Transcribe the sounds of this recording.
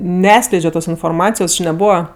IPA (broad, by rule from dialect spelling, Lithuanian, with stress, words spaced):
nʲɛˈɑːtsklʲɛɪd͡ʒʲoː ˈtoːs ɪnfoːrˈmɑːt͡sʲɪjoːs t͡ʃʲɪ nʲɛˈbuːʋɐ